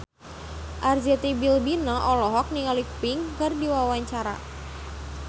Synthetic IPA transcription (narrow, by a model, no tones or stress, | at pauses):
ʔard͡ʒɛt̪ibilbinɔʔɔlɔɦɔk̚niŋalipɪŋkɨrdiwawaɲt͡ʃaɾa̰